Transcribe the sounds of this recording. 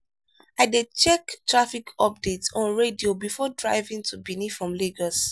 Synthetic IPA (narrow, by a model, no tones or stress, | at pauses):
aɪdet͡ʃɛktɹafikʰɔp̚detsɔ̃nɹediobifɔdɹaɪvĩŋtʰubinifɹɔ̃mleɡɔs